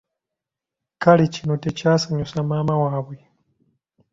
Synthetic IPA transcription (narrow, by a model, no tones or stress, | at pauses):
kalicino̞tecaːsaɲusamaːmawaːβwe